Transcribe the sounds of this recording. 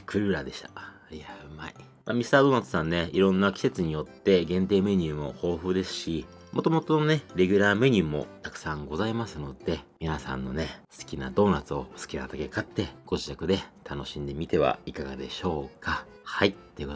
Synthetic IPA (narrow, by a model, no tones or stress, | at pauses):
kʰɯ̟ɾɯ̟ɾad̪e̞ɕi̥t̪ḁ | iaɯmai | mamʲisɨ̥t̪aːd̪o̞ːnat͡sɨ̥sãnːe̞iɾõ̞nːakʲi̥se̞t͡sɨɲ̟ijo̞t̪ːe̞ɡẽ̞nt̪e̞ːme̞ɲ̟ʲɨːmo̞̰ho̞ːɸɯ̟ːd̪e̞sɨ̥ɕi | mʔo̞t̪o̞mo̞t̪o̞none̞ɾe̞ɡʲɯ̟ɾaːme̞ɲ̟ʲɨːmo̞̰t̪akɯ̟̥sãŋɡo̞zaimasɨno̞d̪̥e̞mʲinasã̰nːo̞̰ne̞sɨ̥kʲina̰d̪o̞ːnat͡sɨo̞sɨ̥kʲinat̪ake̞kat̪ːe̞ɡ̥o̞ʑitakɯ̟d̪e̞t̪ʰano̞ɕĩnd̪e̞mʲit̪e̞βa̰ikaɡa̰d̪e̞̰ɕo̞ːkʰa | hait̪ːe̞ji̟ko